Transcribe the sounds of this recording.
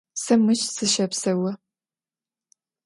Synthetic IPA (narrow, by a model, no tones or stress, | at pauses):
sɐmɨʃsɨʃɐpsɐwɐ